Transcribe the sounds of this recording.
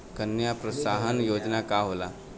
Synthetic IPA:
kənːjapɾəsaːɦənjoːd͡ʒnakaɦoːlaː

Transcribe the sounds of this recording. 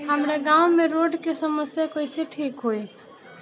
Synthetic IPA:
ɦəmɾeɡaːʊmẽɾoːɖkesəməsjakoːɪseʈʰiːkɦoi

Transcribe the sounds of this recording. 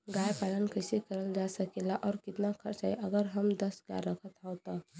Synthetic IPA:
ɡajpaɽənkəɪsekəɾəld͡ʒasəkelaʔɔːɾkit̪nakʰəɾt͡ʃaiʔəɡəɾɦəmd̪əsɡa̰ɾəkʰət̪ɦawt̪a

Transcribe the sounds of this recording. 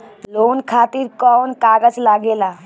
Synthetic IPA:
lonkʰat̪iɾkɔnkaɡət͡ʃlaɡela

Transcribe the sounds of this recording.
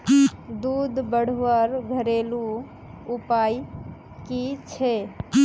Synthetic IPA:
d̪uːd̪ʱbəɽ̤wəɾɡʱəɾelu | upai | kit͡ʃʰe

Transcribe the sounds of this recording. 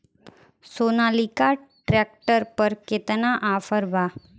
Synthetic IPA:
sonalikaʈɾɛk̚ʈəɾpəɾket̪naʔafəɾba

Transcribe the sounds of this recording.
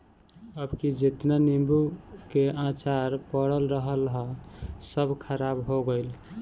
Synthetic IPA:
əbkid͡ʒet̪nanimbukeʔãt͡ʃaɾpəɽəlɾəɦəlɦəsəbʱkʰəɾabɦoɡəɪl

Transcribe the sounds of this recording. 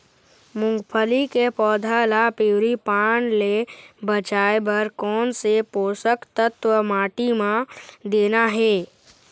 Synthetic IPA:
mʊ̃ŋɡpʰəlikepɔːd̪ʱalapewɾipaːnlebət͡ʃaːebəɾkɔːnsepoːsəkt̪ət̪wəmaːʈimãd̪eːnaɦɛː

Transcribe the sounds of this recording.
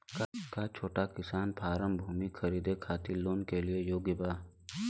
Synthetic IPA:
kakat͡ʃʰoːʈakɪsaːnpʰaːɾəmbʱuːmikʰəɾiːd̪ekʰaːt̪iloːnkeliejoːɡɪbaː

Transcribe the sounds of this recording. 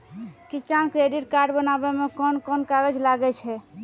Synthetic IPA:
kit͡ʃankɾeɖiʈkaɾɖbənabɛmekɔnkɔnkaɾəd͡ʒlaɡɛt͡ʃʰɛ

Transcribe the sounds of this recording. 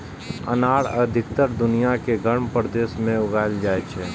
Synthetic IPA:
ə̰naːɽəd̪ʱɪkt̪əɾd̪ʊnijakeɡʱəɽ̃pɾd̪eːʃmẽʊɡaːld͡ʒaːet͡ʃʰɛː

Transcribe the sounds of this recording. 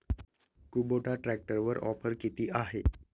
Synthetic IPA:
kuboʈaʈɾæk̚ʈəɾʋəɾʔɔ̰fəɾkit̪iːʔaɦe

